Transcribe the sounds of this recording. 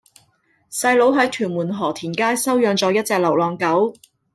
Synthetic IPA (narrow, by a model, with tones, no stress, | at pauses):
sɐ˧jlo˨˥wɦɐ˨˥jt̪ʰyː˨˩nmuː˨˩nɦɔː˨˩t̪ʰiː˨˩nkaː˥jsɐ˥wjœː˧ŋt͡sɔː˧jɐ˥t̚t͡sɛː˧k̚lɐ˨˩wlɔː˨˩ŋkɐ˨˥w